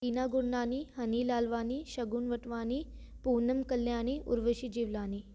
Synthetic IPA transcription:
iːnaːɡuɾnaːniːhəniːlaːlʋaːniːɕəɡuːnʋəʈʋaːni | puːnəmkəlːjaːniʔṵɾʋəɕid͡ʑiʋlaːniː

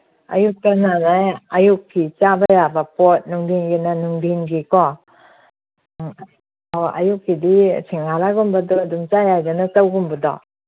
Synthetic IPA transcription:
ɐ̰juk̚tɐnanajajukʰːit͡ʃabɐjabɐpot̚nuŋdiŋɡenanuŋdʱiŋɡikɔ | ʔa̰jukʰːidisʰiŋalaɡumbɐdɔːdumt͡ʃajajdanɯtawɡumbɐdɔ̰

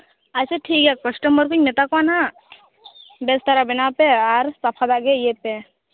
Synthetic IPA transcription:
at͡ʃʰaʈʰiːkakɐsʈəməɾkuiŋmet̪akanɦa | best̪ɐɾabɪnapeaɾsapʰad̪aɡejepe

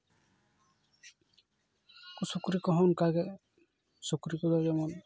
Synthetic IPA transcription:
kusukɾikɔɦɔnkaɡɛ | sukɾikɔd̪ɔɾɛmɔn

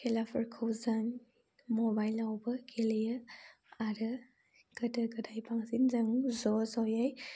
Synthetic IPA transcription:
kʰelapʰəɾkʰɯwzan | mɔbajlawbɐɡelejə | aɾɯ | ɡ̥ədəɡədajpaŋsinzaŋzɔzɔjaj

